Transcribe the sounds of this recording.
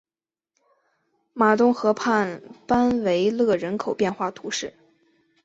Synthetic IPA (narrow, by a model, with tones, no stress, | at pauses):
ma˨˩t̪ʊ˥ŋxɤ˧˥pʰa˥˩npa˥nwe˧˥ɪlɤ˥˩ɻə˧˥nkʰo˨˩ʊpjɛ˥˧nxwa˥˩t̪ʰu˧˥ʂɻ̩˥˩